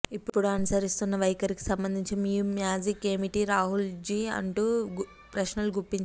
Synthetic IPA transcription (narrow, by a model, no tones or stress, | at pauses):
ipːupːuɽuɐnusɐɾist̪unːɐʋɐjkɐɾiki̥sɐmbɐnd̪iɲt͡ʃimiːjumjaːd͡ʒikeːmiʈiɾaːɦuld͡ʒiːɐ̰ɳʈuː | pɾɐʃnɐluɡuɾpːiɲt͡ʃ